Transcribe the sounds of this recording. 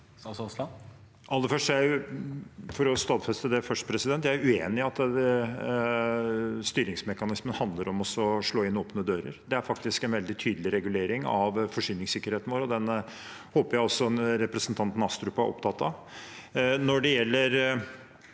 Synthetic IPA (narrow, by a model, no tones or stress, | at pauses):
ʔɑlːəfœʂʈæɪ | fɔɾɔst̪ɑːd̪fɛst̪əd̪ɛfœʂʈə̥pʰɾɛsɪd̪ɛnt̪jææʉeːnɪɑt̪ː | st̪yːɾɪŋsmɛkɑnɪsmənhɑnd̪ləɾɔmɔsɔʂɭoːɪnːoːpnəd̪øːɾə̰ɾd̪ɛæɾfɑkt̪ɪskɛnʋɛld̪ɪt̪ʰyːd̪əlɪɾɛɡʉleːɾɪŋɑ̰ʋfɔʂyːnɪŋsɪkːəɾheːt̪n̩ʋoːɾɔd̪ɛn | hoːpəɾjæɪɔsːɔnɾɛpɾəsənt̪ʰɑnt̪n̩ɑst̪ɾʉpɑæ̰ʔɔ̰pt̪ʰɑt̪ːɑ | nɔɖɛjɛlːəɾ